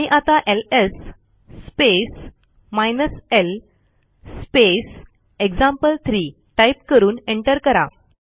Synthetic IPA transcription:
ãiʔat̪aʔelesː | pes | majnəselː | pes | ekd͡zãmpəlt̪ʰɾi | ʈajp̚kəɾuːneɳʈəɾkəɾa̰

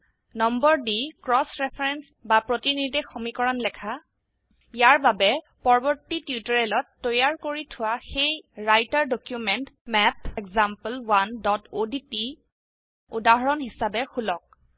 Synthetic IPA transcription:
nɔmbɔɹdikɹɔsɹɛpʰɹɛns | bapɹotinidɛxomikɔɹanlɛkʰa | ijaɹbabɛ | pɔɹɔbɔɹtitiutɔɹɛlɔtːɔjaɹkoɹitʰʊwaxejɹajtaɹdokjumɛntmɛpɛkzampəlwandɔtoditi | udaɦɔɹɔnɦisabɛxʰulɔk̚

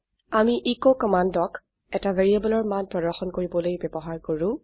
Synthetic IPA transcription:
amiʔekokɔmandɔk | ɛtaveɹiabɔlɔɹmanpɹɔdɔɹxɔnkoɹibɔlojbɛbɔɦaɹkoɹʊ̃

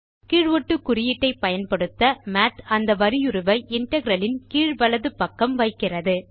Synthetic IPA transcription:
kiːɻʋɔʈːɯkːʊrɪjɪʈːɐɪpːɐjɐnpɐɽɯt̪ːɐmaːt̪ɐnd̪ɐʋɐɾɪjʊɾɯʋɐɪʔɪɳʈɐɣɪɾɐlɪnkiːɻʋɐɭɐðɯpɐkːɐmʋɐɪkːɪrɐðɯ

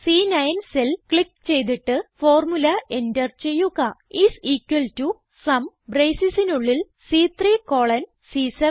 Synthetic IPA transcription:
siːnɐjnselkɭikːt͡ɕe̞jt̪̬iʈːɨfo̞ːrmulɐendɐrt͡ɕe̞jːuɣɐisiːkwɐltu | sɐm | brejsisinuɭːil | siːt̪riːko̞ːɭɐn | siːsɐ

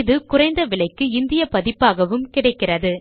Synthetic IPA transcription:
ɪðɯkʊrɐɪnd̪ɐʋɪɭɐɪkːɯɪnd̪ɪjɐpɐðɪpːaːɣɐʋɯmkɪɽɐɪkːɪrɐðɯ

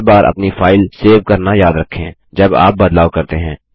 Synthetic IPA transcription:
baːɾʔɐ̰pnifaːɪlseːʋkɐɾnajaːd̪ɾɐkʰːẽ | d͡ʒɐba̰ːp̚bɐd̪laːʋkɐɾt̪eɦɛ̃ː

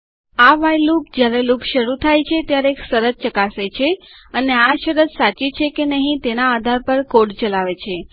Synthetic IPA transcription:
aʋajlup̚d͡ʒjaɾelupʃəɾut̪ʰajt͡ʃʰet̪jaɾeːksəɾət̪̚t͡ʃəkaset͡ʃʰe | əneaʃəɾət̪sat͡ʃit͡ʃʰekenəɦĩt̪enaːd̪ʱaɾpəɾkoɽt͡ʃəlaʋet͡ʃʰe

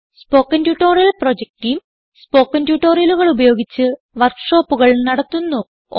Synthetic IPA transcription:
spo̞ːkːɐntjuːʈːo̞ːrijɐlpro̞d͡ʑek̚ʈijm | spo̞ːkːɐntjuːʈːoːrijɐluɣɐɭubɐjo̞ːɡit͡ɕːɨ | ʋɐrkʂoːpːuɣɐɭnɐɽɐt̪ːunːu

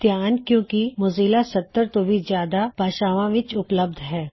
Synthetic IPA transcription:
t̪jaːnkjõːkimʊziːlasɐt̪ːəɾt̪obʱizjaːd̪ab̥aːʃaːʋãʋɪt͡ʃʊpləb̚d̪ʱɦɛː

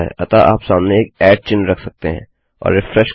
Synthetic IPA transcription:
ɦɛ̰ʔɐt̪aʔa̰ːpsaːmneeːkɛːɖ̚t͡ʃɪnɾɐkʰsɐk̚t̪eɦɛ̰̃ | ɔ̰ːɾːɪfɾɛʃ

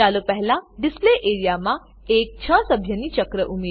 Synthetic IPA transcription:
alopəɦlãɖispleʔeɾijamã | ek̚t͡ɕʰə̃səbʱjəniːt͡ɕəkɾəʔumi

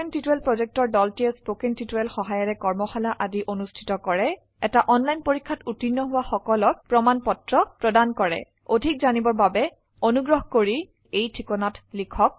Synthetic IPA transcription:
entituɛlpɹɔzɛk̚tɔɹdɔltiɛspokɛŋtʰituɛlxɔɦajɔɹɛkɔɹmɔxalaʔadiʔonustʰi̥tɔkɔɹɛ | ɛtaʔɔnlajnpoɹikʰːatutinːɔɦʊwaxɔkɔlɔk̚pɹɔmanpɔtɹɔpɹɔdankɔɹɛ̰ | odʱik̚zanibɔɹbabɛ | onuɡɹɔɦkoɹi | ejtʰikɔnatlikʰɔk̚

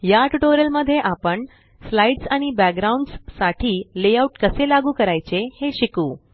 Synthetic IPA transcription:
jaʈuʈoɾjəlməd̪ʱjeʔapəɳ | slaiɖsaɽ̃ibæk̚ɡɾauɳɖsːaʈʰiːlejauʈkəselaɡuːkəɾajt͡seheɕikuː

